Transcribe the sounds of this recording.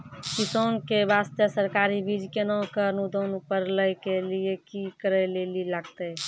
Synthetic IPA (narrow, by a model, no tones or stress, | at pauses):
kisonkebast̪əsəɾkaːɾibʱid͡ʒkenɔ̃kəɾnud̪onupəɾləjkeliekikəɾɛlelilaɡt̪e